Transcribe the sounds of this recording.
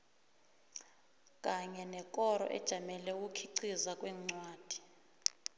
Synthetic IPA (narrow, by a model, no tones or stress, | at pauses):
kʼaɲɛnɛkʼɔɾɔ̰ʔɛ̰d̥ʒ̥ʱamɛlɛwukʰiǀizakʼwɛŋ͡ǀwaːd̥ʱi̥